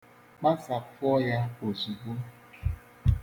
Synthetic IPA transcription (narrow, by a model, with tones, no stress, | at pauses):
k͡pa˦sa˨fɔ˦ja˦o˨zu˨ɡo˦